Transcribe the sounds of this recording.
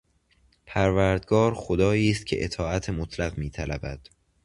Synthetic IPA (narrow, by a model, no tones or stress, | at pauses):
pʰæɾvæɾd̪ɡɒːɾxod̪ɒːjiːst̪̚cʰe̞̰ʔet̪ʰɒːæt̪ʰemot̪ʰlæɣmiːt̪ʰælæbæd̪̥